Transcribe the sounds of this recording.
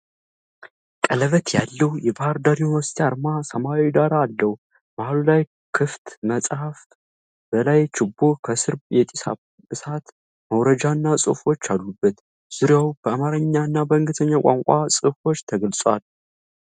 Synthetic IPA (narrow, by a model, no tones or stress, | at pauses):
kʼələβət̪jalːəwjɛbahaɾd̪aɾiunwɔst̪ʰaɾmasəmawid̪aɾaːlːəw | bahalulaj | kʰɨft̪məsʼhaf | b̥əlajt͡ʃɪbːo̞kʰəsɨɾjɛt̪ʼisa | ɨsat̪ | məwɾəd͡ʒanːasʼɨ̰fo̞t͡ʃːalːubːət̪ | z̥ɨɾjawb̥əamaɾəɲːanːabəɨŋɡɨt̪ʰəɲːakʷʼa̰ŋkʷʼasʼɨfo̞t͡ʃːt̪ʰəɡəlsʼwal